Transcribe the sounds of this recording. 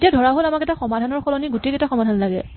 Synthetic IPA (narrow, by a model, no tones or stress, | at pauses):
tijadʱɔɹaɦolamakɛtaxɔmadʱanɔɹxɔlɔniɡutekɛtaxɔmadʱanlaɡɛ̰